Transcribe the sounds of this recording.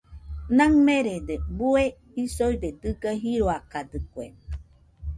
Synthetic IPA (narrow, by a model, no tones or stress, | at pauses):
naŋmeɾed̪ebue | isojd̪ed̪ɨɡaɦiɾoakad̪ɨkwe